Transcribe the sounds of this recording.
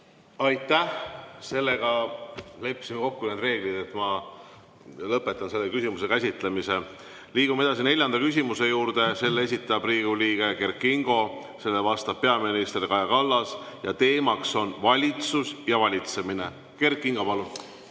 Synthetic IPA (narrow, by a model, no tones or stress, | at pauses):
ɑjt̪ːˑæhse̞lːe̞ɡ̥ɑle̞pːsimeko̞kːuneːd̪̥re̞ːɡ̥lid̪̥e̞t̪mɑ | lɤpːˑe̞t̪ːˑɑnse̞lːekysʲimuse̞kæsʲit̪le̞mise̞ | liːɡ̥ume̞d̪ɑsine̞lʲjɑnd̪̥ɑkys̬ʲimuse̞juːɾd̪̥e̞se̞lːee̞s̬ʲit̪ːˑɑb̥riːɡ̥uliːɡ̥e̞ke̞rkˑiŋɡ̥o̞ | se̞lːevɑst̪ɑb̥̚pe̞ɑminist̪rikɑjɑkɑlːɑsjɑt̪e̞ːmɑkso̞nvɑlʲit̪susjɑvɑlʲit̪se̞mine̞ | ke̞rkːˑiŋɡ̥o̞pɑlun